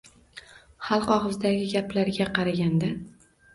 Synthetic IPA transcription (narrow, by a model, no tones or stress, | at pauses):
χɑlˠqɒχɨzd̪aɡʲɪɡʲaplaɾɡʲaqʰɑɾaɡʲand̪a